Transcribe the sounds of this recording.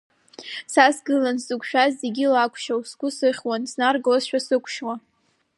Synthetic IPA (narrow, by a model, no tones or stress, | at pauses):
sasɡɨlansɨkʷʰʼʃᶣazzeɡʲilakʷʰʃawsɡʷʊsɨχʲwansnarɡlasʃᶣasɨkʷʰʃwa